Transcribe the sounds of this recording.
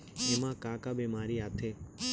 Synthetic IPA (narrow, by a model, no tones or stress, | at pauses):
emãkãːkabemaːɾiat̪ʰe